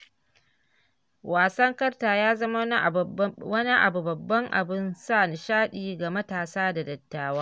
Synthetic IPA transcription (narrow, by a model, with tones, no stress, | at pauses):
waː˨sɐ˦ŋkɐ˦rtaː˨jaː˦zɐ˦ma˦ | wɐ˦ni˦ʔa̰˨bu˨bɐ˨bːɐ˦ŋʔa̰˨bɪ˦nsaː˦˨n˨ʃaː˦ɗiː˨ɡa˨mɐ˦taː˨saː˦da˨dɐ˨tːaː˨˦waː˦